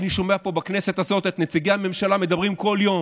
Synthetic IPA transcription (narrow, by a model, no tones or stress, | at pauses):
niʃo̞me̞apo̞bakne̞se̞t̪azo̞t̪et̪net͡siɡeame̞mʃalame̞d̪abʁimko̞ljo̞